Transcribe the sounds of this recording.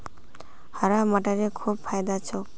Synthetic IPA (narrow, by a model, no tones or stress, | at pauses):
hɔɾamaʈaɾekʰub̚pʰajd̪at͡ʃʰɔ